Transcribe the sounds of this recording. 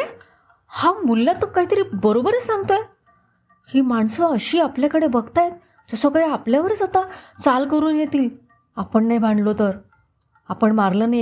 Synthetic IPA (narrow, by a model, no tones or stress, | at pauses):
e | hãwmulːat̪əkaɦiːt̪əɾiːbəɾobəɾesãŋɡt̪oe | hiːmaɳsəəɕiːapljakəɽebəɡt̪ajet̪̚ | d͡zəsəkaɭeapljaʋəɾet͡sat̪at͡salkəɾuːnjet̪iːl | apəɳːajbʱaɳɖlot̪əɾ | apəɳmaɾlənaj